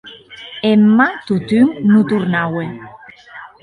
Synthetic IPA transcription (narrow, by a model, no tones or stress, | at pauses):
emːat̪ut̪yŋnut̪uɾnawe